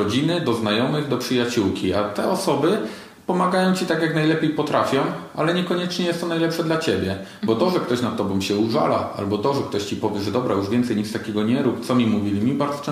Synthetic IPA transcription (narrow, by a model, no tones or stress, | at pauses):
ɔd͡ʑinɘd̪ɔznajɔmɘɣd̪ɔpʂɘjat͡ɕuwkʲiat̪ɛɔsɔbɘ | pɔmaɡajɔ̃w̃t͡ɕit̪akjaknajlɛpʲjejpɔt̪ɾafʲjɔ̃w̃ʔa̰lɛɲɛkɔɲɛt͡ʂɲɛjɛst̪ːɔnajlɛpʂɛd̪lat͡ɕebʲjɛ | bɔt̪ɔʐɛkt̪ɔɕnat̪ːɔbɔ̃m̃ɕɛuʐa̰laa̰lbɔt̪ɔʐɛk̚t̪ɔɕt͡ɕipɔvʲjɛʐɛd̪ɔbɾajuʐvʲjɛnt̪sɛjɲist̪akʲɛɡɔɲɛɾupt̪sɔmʲimuvʲilʲimʲibaɾd̪zɔ̥t͡ʂɛ̃